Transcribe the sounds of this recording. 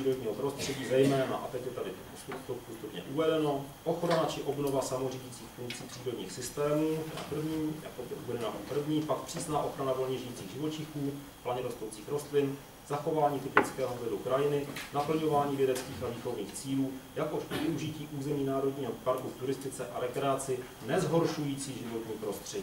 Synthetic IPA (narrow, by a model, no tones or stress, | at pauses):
iːɾod̪ɲiːɦopɾost̪r̥ɛɟiːzɛjmɛːna̰ʔat̪ɛcjɛt̪adɪ | t̪opust̪upɲɛ̰ʔuvɛdɛno̞ʔoxɾanat͡ʃɪʔo̞bnovasamoriɟit͡siːxfuŋk̚t͡siːpr̥iːɾodɲḭːxsɪst̪ɛːmuːt̪ɛda̰pr̩vɲiːjakobɛʔuvɛdɛnaʔopr̩vɲiːpakpr̥iːsnaːʔo̞xɾanavo̞lɲɛʒɪjit͡siːɣʒɪvo̞t͡ʃɪxuː | plaɲɛdost̪owt͡siːxɾo̞st̪lɪn | z̥axo̞vaːɲiːt̪ɪpɪt͡skɛːɦovɛdukɾajɪnɪnapl̩ɲo̞vaːɲiːvjɛdɛt͡skiːxaviːxo̞vnḭːxt͡siːluːjakoʃovɪuʒɪciːʔuːzɛmiːnaːɾodɲiːɦopaɾkuft̪uɾɪst̪ɪt͡sɛʔaɾɛkɾɛat͡sɪ | nɛzɦo̞ɾʃujiːt͡siːʒɪvo̞t̪ɲiːpɾo̞st̪r̝̥ɛɟi